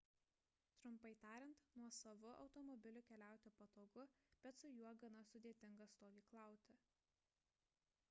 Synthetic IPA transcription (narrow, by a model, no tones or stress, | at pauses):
t̪ɾʊmpɐɪt̪ɑːɾʲɪnt̪nuɔsɐʋʊʔɒ̰ʊt̪ɔmɔbʲɪlʲʊkʲɛlʲæˑʊt̪ʲoːpɐt̪oːɡʊb̥ʲɛt̪sʊjuɔɡɐnɐsʊd̪ʲeːt̪ʲɪŋɡɐst̪oːʋʲiːklˠɑˑʊt̪ʲɪ